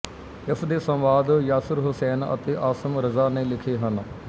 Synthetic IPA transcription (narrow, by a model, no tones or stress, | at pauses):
ɪfʰd̪eːsə̃mʋaːd̪jaːsəɾɦʊsɛːnə̰t̪eːʔaːsəmɾəzaːnẽːlɪkʰeːɦən